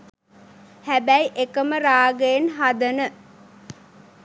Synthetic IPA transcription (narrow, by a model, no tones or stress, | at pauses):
hæbæjʔekəməɾaːɡəenɦad̪ənə